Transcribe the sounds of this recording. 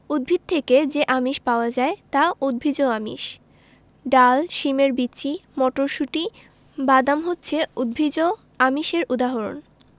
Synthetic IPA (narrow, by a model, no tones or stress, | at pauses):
ud̪̚bʱid̪̚t̪ʰeked͡ʑeʔamiʃpaoad͡ʑaet̪aud̪̚bʱid͡ʑoamḭʃ | ɖalʃimeɾbitːɕʰimɔʈoɾʃuʈi | bad̪amɦotːɕʰeud̪̚bʱid͡ʑo | amiʃeɾʔud̪aɦoɾo̰n